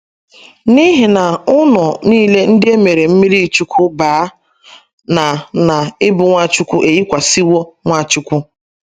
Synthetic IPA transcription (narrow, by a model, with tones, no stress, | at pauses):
ni˦ɦi˨na˨ʊ˦nʊ˨niː˦le˦n̩˦dɪ˦e˦me˨ɾe˨m̩˦mi˦ɾi˦˨t͡ʃu˦kʰʷu˦baː˨˦ | na˨na˨ɪ˦bʊ˨ŋʷa˦t͡ʃʊ˦kʷu˦ʔe˨ji˦kʷa˨si˦wo˦ŋʷa˦˨t͡ʃu˦kʷu˦